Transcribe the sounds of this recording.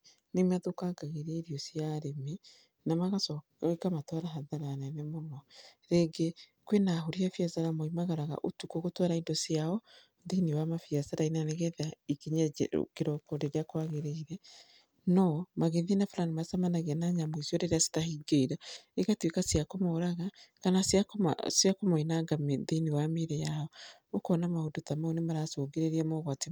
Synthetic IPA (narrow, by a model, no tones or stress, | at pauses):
nemaðokaɡaɣeɾeiɾiɔsiaɾeme | namaɣasɔ | ekamatwɔɾaɦaðaɾanɛnemonɔɾeɡe | kwenaɦoɾiafjazaɾamoimaɣaɾaɣa̰ʔotukoɣotwɔɾaidɔsjaɔ | ndeiniwamafiazaɾainanɛɣɛðaikiɲa̰keɾɔkɔɾeɾeakwaɣeɾeiɾɛ | nɔmaɣeðinafɾanimasamanaɣɛnaɲamoizjɔɾeɾasi̥tahiɡeiɾaeɣatwikasiakomɔoɾaɣakanasaksjakomoinaɡamediniwameɾejaɔ | okɔnamahodotamaonemaɾasoːɡeɾeɾiamɔɣwate